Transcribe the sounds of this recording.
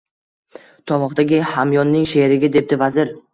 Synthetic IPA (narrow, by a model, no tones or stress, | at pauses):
t̪ʰɒmɒqd̪aɡʲɪhamjɒnːɪŋʃeɾɪɡʲɪd̪e̞p̚d̪ɪvazɪɾ